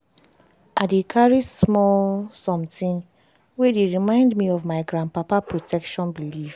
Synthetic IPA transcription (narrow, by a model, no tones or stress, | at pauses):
adekʰaɹismɔlsɔ̃mtĩn | wedeɹimãɪ̃ndmiɔvmaɪɡɾãnpapapɹotʰɛkʃɔ̃nbilif